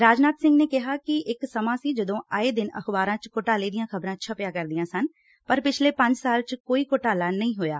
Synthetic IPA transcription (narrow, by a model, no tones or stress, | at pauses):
ɾaːd͡ʒnaːt̪sɪ̃ŋɡneːkɪɦaːkɪɪksəmãːsiːd͡ʒəd̪õːʔaːeːd̪ɪnə̰xbaːɾãːt͡ʃkoʈaːliːd̪ɪjãːkʰəbɾãːt͡ʃʰəpɪjaːkəɾd̪ɪjãːsən | pəɾpɪt͡ʃʰleːpə̃ɲd͡ʒsaːlt͡ʃkoːiːkoʈaːlaːnəĩːɦoːja̰ː